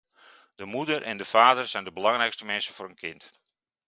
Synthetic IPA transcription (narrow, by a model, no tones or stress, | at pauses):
d̥əmudərʔɛndəfaːdərsɛjndəbəlɑŋrɛjkstəmɛnsəvʊːɾənkʰɪnt